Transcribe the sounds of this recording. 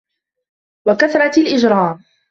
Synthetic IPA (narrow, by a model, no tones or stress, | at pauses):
wakaθɾˤɑt̪lʔɪd͡ʒɾˤɑːm